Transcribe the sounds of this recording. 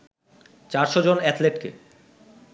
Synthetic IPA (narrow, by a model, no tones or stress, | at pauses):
t͡ɕaɾʃɔd͡ʑonɛt̪leʈkḛ